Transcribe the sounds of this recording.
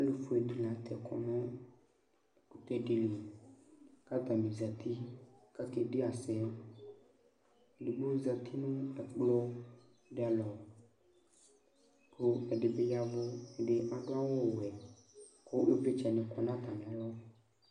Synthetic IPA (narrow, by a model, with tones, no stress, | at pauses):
e˦lũ˨fu˨e˨d̪u˨lã˨t̪ʰɛ˨kʰɔ̰˨mẽ˦˨ | ku˦t̪ɛ˦ɖe˦li˨ | ka˦t̪a˨mĩ˨za˨t̪ʰi˦ka˦ke˦ɖe˦a˨sɛ˨ | ɖu˨ɡ͡bo˦za˨t̪ʰi˦nũ˦ɛ˨k͡plɔ˦ | ɖe˦a˨lɔ˨ | ko˦ɛ˨ɖe˨be˦ja˦vo˦e˨ɖe˨ʔa˨ɖõ˦a˦wo˦˨wo˨ɛ˨ | ko˦ʔe˦ve˦t͡ʃɛ˨nẽ˨kɔ˨nã˦t̪a˨mĩ˨ã˨˦o˦